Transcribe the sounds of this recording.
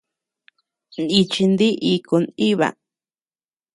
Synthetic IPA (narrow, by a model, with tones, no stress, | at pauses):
ni˧t͡ʃi˧nd̪i˦ʔi˧ku˧ni˦βa̰˧